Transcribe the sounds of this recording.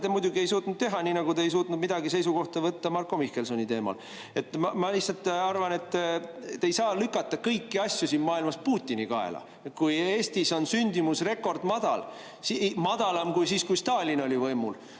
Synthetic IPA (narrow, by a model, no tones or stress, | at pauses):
t̪emujd̪̥ʲuɡie̞jsuːt̪ˑnud̪̥̚t̪e̞ɦɑniːnɑɡut̪eejs̬uːt̪nud̪mid̪̥ɑɡise̞jsuko̞ht̪ɑvɤt̪ːɑmɑrkːˑo̞mihke̞lsonʲit̪e̞ːmɑ̰l | e̞t̪ːˑmɑmɑliçsɑlt̪ːɑrvɑne̞t̪ː | ejsɑːlykːˑɑt̪ːˑɑkɤjkːiɑsʲjusiːnmɑːilmɑspuːt̪ʲːinikɑḛlɑ̰ | kuje̞ːst̪iso̞nsynʲd̪̥ʲimusre̞kːˑo̞rd̪̥mɑd̪̥ɑ̰l | simɑd̪̥ɑlɑmkujsiːskujst̪ɑːlʲino̞lʲivɤjmṵl